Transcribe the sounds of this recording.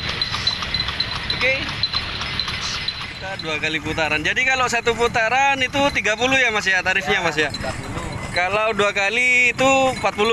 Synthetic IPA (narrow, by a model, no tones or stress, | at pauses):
oke | kit̪aduakaliput̪aɾand͡ʒadikalosat̪uput̪aɾanit̪ut̪iɡapulujamasijat̪aɾifɲamasja | kalauduakaliːt̪umpat̪̚pulu